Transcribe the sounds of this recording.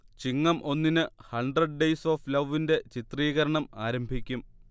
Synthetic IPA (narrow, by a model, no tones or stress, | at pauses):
t͡ɕiŋːɐmʔo̞nːinɨhɐɳɖrɐɖɖejsoːflɐʋːinde̞t͡ɕit̪riːɣɐɾɐɳɐmaːɾɐmbʱikʲːum